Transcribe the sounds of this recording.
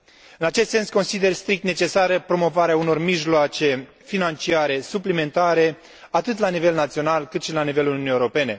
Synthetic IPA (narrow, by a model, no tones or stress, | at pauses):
ɨnat͡ʃest̪se̞nsko̞nsid̪e̞rst̪ɾik̚t̪net͡ʃe̞saɾəpɾo̞mo̞vaɾeauno̞rmiʒloat͡ʃe̞ | finant͡ʃiaɾe̞suplime̞nt̪aɾe̞ | at̪ɨt̪lanive̞lnat̪sio̞nalkɨt̪ʃilanive̞luunijewɾo̞pe̞ne̞